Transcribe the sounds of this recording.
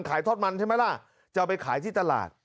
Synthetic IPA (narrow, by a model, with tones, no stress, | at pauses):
nkʰaː˩˦jt̪ʰoː˥˩t̪̚ma˧nt͡ɕʰa˥˩ma˦˥˩la˥˩ | t͡ɕa˧p̬a˧jkʰaː˩˦jt̪ʰiː˥˩t̪a˧la̰ː˨˩t̪̚